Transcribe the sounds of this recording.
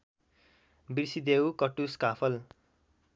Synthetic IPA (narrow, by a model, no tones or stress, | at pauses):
birsid̪ewkʌʈuskapʰʌl